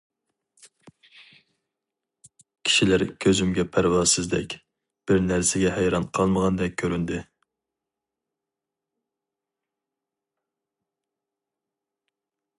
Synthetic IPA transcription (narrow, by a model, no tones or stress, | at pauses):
kʲʰi̥ʃilæɾkʲʰøzymɡʲɛpʰæɾwɑsɨzd̪ɛ̰kʲ | b̥ɪɾnæɾsɪɡʲɛhæjɾɑnqʰɑlˠməʁɑnd̪ɛk̚ʲkʲʰːøɾynd̪ɪ